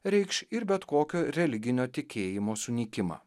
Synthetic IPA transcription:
ɾʲɛɪkʃɪɾbʲɛt̪koːkʲoːɾʲɛlʲɪɡʲɪnʲoːt̪ʲɪkʲeːjɪmoːsʊnʲiːkʲɪmɑ̰ː

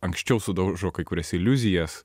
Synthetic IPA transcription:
ɐŋksʲt͡ʃʲɛʊsʊd̪ɐʊʒoːkɐɪkʊɾʲɛsɪlʲʊzʲɪjɛs

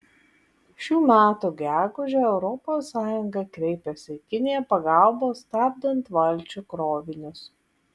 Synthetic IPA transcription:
ʃʲuːmʲæːt̪uːɡʲæːɡʊʒʲɛɛʊɾɔpoːsːɑːjʊŋɡɐkɾʲɛɪpʲɛsʲɪkʲɪnʲɪjɛpɐɡɐˑlˠboːst̪ɑːb̚ʲd̪ɐnt̪ʋɐlʲt͡ʃʲukɾoːʋʲɪnʲʊs

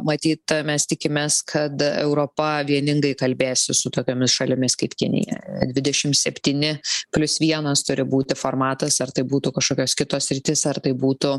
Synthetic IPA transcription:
mɐt̪ʲiːt̪mʲɛst̪ʲɪkʲɪmʲeːskʰɐt̪ɛ̰ʊɾoːpɐʋʲiɛnʲɪŋɡɐɪkɐlʲbʲeːsʲɪsʊt̪oːkʲoːmʲɪsʃɐlʲɪmʲɪskɐɪpkʲɪ̰nʲɪ̰jɛ̰d̪ʲʋʲɪd̪ʲɛʃʲɪmsʲɛpʲt̪ʲiːnʲɪpʲlʲʊsʋʲiɛnɐst̪ʊɾʲɪbuːt̪ʲɪfoːɾmɑːt̪ɐsɐrt̪ɐɪbuːt̪ʊkɐʃkoːkʲoːskʲɪt̪oːssʲɾʲɪt̪ʲɪsɐrt̪ɐɪbuːt̪ʊ

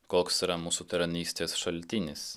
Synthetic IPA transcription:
koːksiɾɐmuːsut̪ʲɐɾɐnʲiːsʲt̪ʲeːsʃɐlʲt̪ʲɪnʲɪs

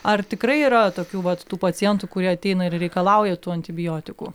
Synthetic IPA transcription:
ɐrt̪ʲɪkɾɐɪiːɾɐt̪oːkʲuːʋɐt̪t̪uːpɐt͡ssʲɪjɛnt̪uːkʊɾʲiɛɐt̪ʲɛɪnɐɪrɾʲɛɪkɐlˠɐʊjɛt̪uːɐnʲt̪ʲɪbʲɪjoːt̪ʲɪkṵː

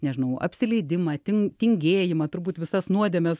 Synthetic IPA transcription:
nʲɛʒʲɪnɐʊɐ̰pʲsʲɪlʲɛɪd̪ʲɪmɐt̪ʲɪŋt̪ʲɪŋʲɡʲeːjɪmɐt̪ʊɾbuːt̪ʋʲɪsɐsnuɔd̪ʲɛːmʲɛs

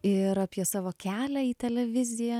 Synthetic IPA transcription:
ɪɾɑːpʲiɛsɑːʋoːkʲæːlʲæiːt̪ʲɛlʲɛʋʲɪzʲɪjɛ

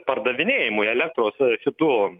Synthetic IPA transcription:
pɐrd̪ɐʋʲɪnʲeːjɪmʊɛlʲæk̚t̪ɾoːsʃʲɪt̪uː

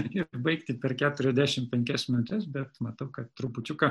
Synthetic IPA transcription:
ɪbɐɪkt̪ʲɪpʲɛrkʲæːt̪ʊɾʲɛzʲd̪ʲæːʃʲɪmpʲɛŋʲkʲɛsmʲɪnʊt̪ʲɛsbʲɛt̪mɐt̪ɐʊkɐt̪t̪ɾʊpʊt͡ʃʲʊkɐ

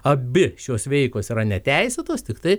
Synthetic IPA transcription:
ɐbʲɪʃʲuːsʋʲɛɪklˠoːsiːɾɐnʲɛt̪ʲɛɪsʲɛt̪oːst̪ʲɪkt̪ɐɪ

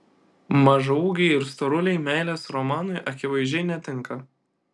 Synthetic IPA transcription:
mɐʒɐuːɡʲɛɪɪɾst̪ɔɾʊlʲɛɪmʲæɪlʲeːsɾɔmɑːnʊɪʔɐkʲɪʋɐɪʒʲɛɪnʲɛt̪ʲɪŋˑkɐ

